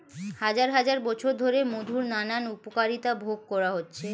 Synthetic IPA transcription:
had͡ʑaɾɦad͡ʑaɾbɔt͡ɕʰoɾd̪ʱoɾemod̪ʱuɾnananupokaɾit̪abʱoɡ̚kɔɾaɦotːɕʰe

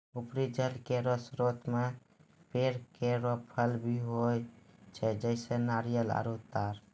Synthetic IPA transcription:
upɾid͡ʒəlkeɾosɾot̪me | peɾkeɾopʰəlbʱiɦojt͡ʃʰɛd͡ʒəɪsənaɾijəla̰ɾut̪ːaɾ

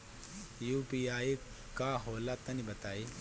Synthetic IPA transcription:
juːpiaːi | kaɦoːlat̪ɐnibɐt̪aːi

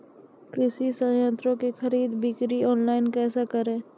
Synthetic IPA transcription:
kɾɪʃisə̃jə̃nt̪ɾõkexɐɾiːd̪bɪkɾiɔːnlaːɪnkɛːsakəɾẽː

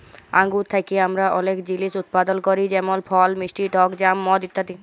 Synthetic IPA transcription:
a̰ŋɡuɾt̪ʰajkiamɾaʔɔlekd͡ʑilisut̪̚pad̪olkoɾid͡ʑɛmolpʰɔlmisʈiʈɔkd͡ʑamːɔd̪it̪ʰːat̪i

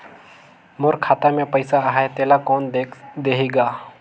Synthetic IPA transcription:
mʊɾkʰaːt̪amẽpəɪsaaɦaet̪eːlakɔːnd̪eːɦiɡaː

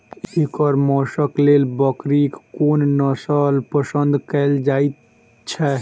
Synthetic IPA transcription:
ekɔɾmɔːʃəklelbəkɾikkːoːnnəsalpəsənd̪ʱkɛːld͡ʒaːit̪ | t͡ʃʰɛ

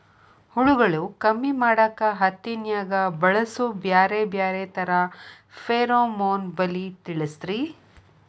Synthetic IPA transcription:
huɭuɡɐɭukɐmːimaːɽɐkːɐɦɐt̪ːinjaːɡɐbɐɭɐsubjaːɾebjaːɾeːt̪ɐɾɐ | feːɾoːmoːnbɐlit̪iɭist̪ɾi

